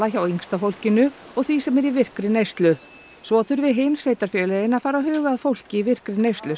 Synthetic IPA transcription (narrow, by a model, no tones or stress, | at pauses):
açawiŋst̪afowl̥cɪnʏ | ɔɣθvisɛmɛɾivɪr̥kɾɪnejst̪lʏ | svɔθʏɾvɪðɦɪnseːjt̪aɾ̥fjœːlɛjɪnafaːɾaɦœːɣaːðfowl̥cɪivɪr̥kɾɪnejst̪lʏ